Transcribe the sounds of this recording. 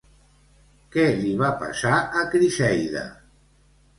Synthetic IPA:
kɛliβapa̰saʔəkɾiʃɛjðə̰

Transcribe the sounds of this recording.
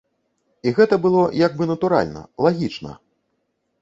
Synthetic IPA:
iɣɛt̪ɐbɨlˠɔjaɡ̚bɨnɐt̪uɾa̰lʲnɐ̰lˠaɣʲit͡ʂnɐ̰

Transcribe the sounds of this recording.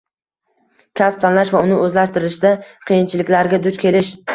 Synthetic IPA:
kʲʰasp̚t̪ʰanlaʃvaʊnɪɵzlaʃt̪ɪɾɪʃd̪aqʰɨjɪnt͡ʃʰɪlɪkʲlaɾɡʲad̪ʊt͡ʃkʲʰe̞lɪʃ

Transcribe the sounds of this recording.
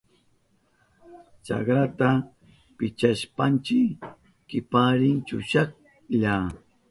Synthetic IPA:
t͡ʃa̰kɾat̪a | pɪt͡ʃaʃpant͡ʃɪ | kɪpaɾɪnt͡ʃʊʃak̚ | ʎa

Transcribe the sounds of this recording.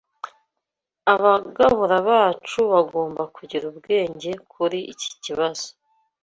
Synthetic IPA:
aβaɡaβuɾaβaːt͡ʃuβaɡo̞ːmbakuɟiɾubɡe̞ːɲɟe̞kʰuɾiʔici̥ciβaz̥o̥

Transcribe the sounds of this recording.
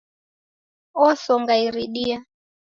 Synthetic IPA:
ɔsɔŋɡaiɾiɗia

